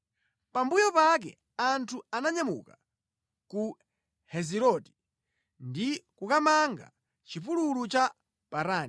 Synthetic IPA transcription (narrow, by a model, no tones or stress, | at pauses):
pambujɔpak̬ɛ̰ | antʰuanaɲamṵka | ku | hɛziɾɔti̥ | ndikukamaŋɡa̰ | t͡ʃipululut͡ʃa | paɾaːn